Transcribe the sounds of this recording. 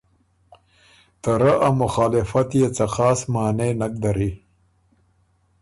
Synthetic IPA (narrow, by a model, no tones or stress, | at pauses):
t̪aɾaʔamʊxɑːlɪfat̪jet͡saxɑːsmaːnenak̚d̪aɾi